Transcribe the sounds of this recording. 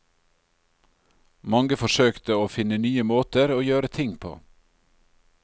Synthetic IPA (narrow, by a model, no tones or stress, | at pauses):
mɑŋɡəfɔʃøːkt̪əoːfɪnənyːəmoːt̪əɾoːjøːɾət̪ʰɪŋpʰo̰ː